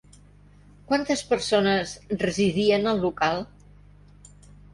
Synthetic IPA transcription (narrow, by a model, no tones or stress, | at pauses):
kwant̪əspəɾsonəzrəziðiənəlˠːukalˠ